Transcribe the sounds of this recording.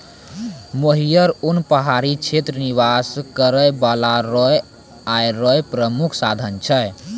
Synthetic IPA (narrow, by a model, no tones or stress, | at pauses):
moɦijəɾunpəɦaɾit͡ʃʰet̪ɾəniʋaskəɾəjbalaɾɔj | ajɾɔjpɾəmukʰsad̪ʱənt͡ʃʰəj